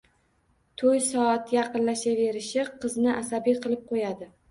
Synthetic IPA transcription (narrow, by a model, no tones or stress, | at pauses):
t̪ʰojsɒat̪jɑqɨnlaʃave̞ɾɪʃɪqʰɨznɪʔasabijqʰɨlˠɪp̚qʰojad̪ɪ